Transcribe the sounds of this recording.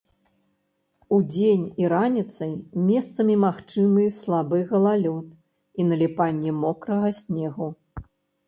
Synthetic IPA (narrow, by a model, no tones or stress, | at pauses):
ud͡zʲenʲiɾanʲit̪sɐjmʲɛst̪sɐmʲimaxt͡ʂɨmɨslˠabɨɣɐlˠalʲɔt̪̚ | inɐlʲipanʲːɛmɔkɾɐɣɐsʲnʲɛɣu